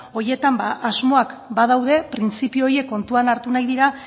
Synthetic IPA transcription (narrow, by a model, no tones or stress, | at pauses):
o̞je̞t̪ambaʔazmo̞akbað̞awðe̞pɾint͡sipiooɾje̞kːo̞nt̪uanaɾt̪unajðiɾa